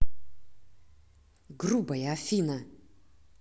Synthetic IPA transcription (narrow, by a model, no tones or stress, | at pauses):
ɡrubɐjɐːfʲinɐ